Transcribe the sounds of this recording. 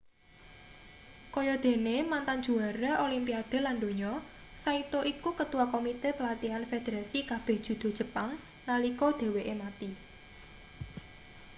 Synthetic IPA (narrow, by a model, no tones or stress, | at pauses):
kɔjɔd̪̥e̤nemant̪and͡ʒ̥uaɾaʔolimpiad̪̥e̤land̪o̤ɲɔ | sait̪oʔikukət̪uwakomit̪epəlat̪ianfed̪̥eɾasikab̥e̤hd̥ʒ̥ṳd̪̥o̤dʒ̥ə̤paŋ | nalikod̪̥e̤weʔemat̪i